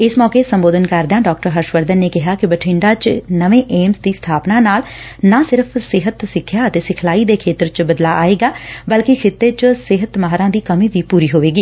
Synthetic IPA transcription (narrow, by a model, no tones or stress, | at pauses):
ɪsmɔːkeːsəmboːd̪ənkəɾd̪jãːɖɔːk̚ʈəɾɦəɾʃʋəɾd̪ənːeːkɪɦaːkɪbəʈʰɪɳɖaːt͡ʃnəʋẽːʔeːmsd̪iːst̪ʰaːpnaːnaːlnaːsɪɾəpʰsɪɦət̪sɪkʰːjaːət̪eːsɪkʰlaːiːd̪eːkʰeːt̪əɾt͡ʃbəd̪laːʔa̰ːeːɡaːbəlkɪkʰɪt̪ːeːt͡ʃsɪɦət̪maɦɾãːd̪iːkəmĩːʋiːpuːɾiːɦoːʋeːɡiː